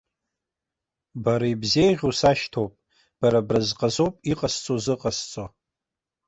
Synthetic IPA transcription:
baɾaibze̞jʁʲusaʃtʰowpʼ | b̥aɾabrɨzqʼazowpʼiqʼast͡sʼozɨqʼast͡sʼo

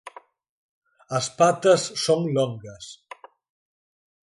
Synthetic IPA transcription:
əspat̪əsːoŋloŋɡəs

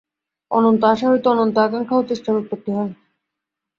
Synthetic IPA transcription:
ɔ̰nont̪oaʃaɦojt̪oɔnont̪oakaŋkʰaot̪ːeʃʈʰaɾut̪ːot̪̚t̪ːiɦɔe

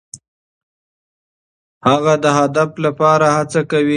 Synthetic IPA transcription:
haɣad̪əɦad̪aflapɑɾahat͡sakawi

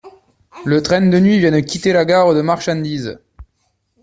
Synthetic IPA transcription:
lət̪χɛ̃nd̪ənɥivjɛ̃nkʲit̪elaɡaʁəd̪əmaʁʃɑ̃d̪iz

